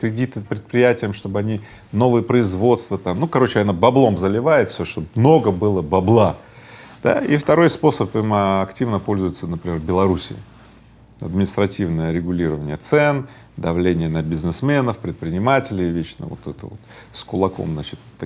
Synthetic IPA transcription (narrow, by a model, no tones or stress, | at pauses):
kɾʲɪdʲit̪ɨpɾʲɪt̪̚pɾʲɪjætʲɪjəmʂt̪o̞bɨɐnʲi | no̞vɨjəpɾəɪzvo̞t̪st̪vət̪amnukɐɾot͡ɕɪanəbɐblˠo̞mzəlʲɪvajɪt̪fsʲoʂt̪obmno̞ɡəbɨlˠəbɐblˠa | d̪̥a̰ift̪ɐɾo̞jspo̞səpɨmɐktʲivnəpo̞lʲzʊjɪt̪sənəpɾʲɪmʲerbʲɪlˠɐɾusʲɪ̰ɪ̰ | ɐ̰d̪mʲɪnʲɪst̪ɾɐtʲivnəjəɾʲɪɡʊlʲiɾəvənʲɪjət̪sɛn | d̪ɐvlʲenʲɪjənəbʲɪznɨsmʲenəfpɾʲɪt̪̚pɾʲɪnʲɪmatʲɪlʲɪjvʲet͡ɕnə̰vo̰t̪ɛt̪ə̰vo̰t̪skʊlˠɐko̞̰mznat͡ɕɪt̪t̪ːɐ